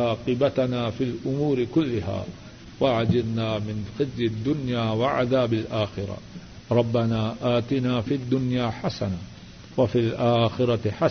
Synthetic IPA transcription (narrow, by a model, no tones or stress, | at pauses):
ɑːqɨbat̪naːfilʔʊmuːɾɪkʊlːʊɦa̰ː | waʕad͡ʒɪdnaːmɪnxɪzjad̪ːʊnjaːwaʕa̰ðaːbalʔaːxɪɾˤɑ̰ | ɾˤɑbːanaːʔaːt̪ɪnaːfiad̪ːʊnjaːħasana | wafilʔaːxɪɾɑħa